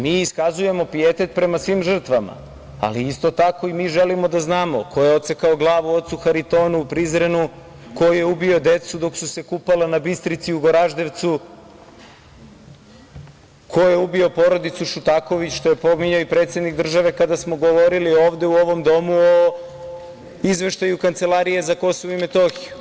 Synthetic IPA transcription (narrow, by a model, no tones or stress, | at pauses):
miːiskazuje̞mo̞piet̪e̞t̪pɾe̞masʋimʒr̩t̪ʋama̰ | a̰liist̪o̞t̪ako̞imiːʒelimo̞d̪aznaːmo̞kʰo̞jeo̞t̪sekaoɡlˠaːʋuo̞t̪suxaɾit̪o̞ːnuupɾizɾenu | ko̞je̞ubio̞d̪e̞t̪sud̪o̞ksuse̞kupalanabist̪ɾit̪siuɡo̞ɾaʒd̪e̞ʋt̪su | kʰo̞jeubio̞po̞ɾo̞d̪it̪suʃut̪ako̞ʋit͡ɕʃt̪o̞jepo̞miɲaoipɾe̞t̪sje̞d̪nik̚d̪r̩ʒaʋe̞kad̪asmo̞ɡo̞ʋo̞ɾilioːʋd̪e̞uo̞ʋo̞md̪o̞muo | izʋe̞ʃt̪ajukant̪se̞lˠaɾije̞zako̞soʋoime̞t̪o̞xiju